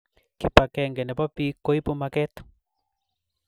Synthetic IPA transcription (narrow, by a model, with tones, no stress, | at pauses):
ki˨pa˨kɛ˨ŋɡɛ˨nɛ˨pɔ˦pi˦ko˦i˦po˦makɛ˦t̪